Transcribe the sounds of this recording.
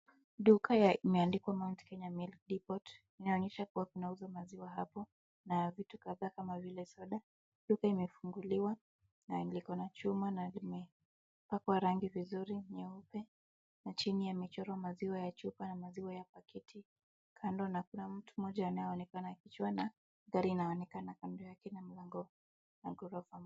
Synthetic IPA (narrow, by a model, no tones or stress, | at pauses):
ɗukajaimɛandikwamaunti̥kɛɲamilk̚dipɔt | inaɔɲɛʃakuwakunauzamaziwaɦapɔ | navitukaðaːkamavilɛsɔɗa | ɗukaimɛfuŋɡuliwa | nanilikɔnat͡ʃumanalimɛ | pakwaɾaŋɡivizuɾiɲɛupɛ | nat͡ʃinijamit͡ʃɔɾɔmaziwajat͡ʃupanamaziwajapakitʰi | kʰandɔnakunam̩tumɔʄaːnajɛɔnɛkanakit͡ʃwana | ɡaɾiːnaɔnɛkanakandɔjakɛnam̩laŋɡɔ | naɡɔɾɔfam